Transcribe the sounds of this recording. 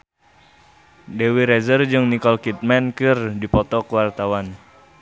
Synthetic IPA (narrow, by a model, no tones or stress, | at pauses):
dewiɾɛzərd͡ʒɨŋnikɔlkit̪̚mankɨrdipɔt̪ɔkəwart̪awan